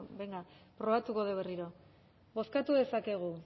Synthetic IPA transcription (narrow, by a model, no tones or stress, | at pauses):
beŋɡapɾo̞βat̪uko̞ð̞eβe̞riɾo̞ | bo̞skat̪uðe̞sake̞ɣ̞u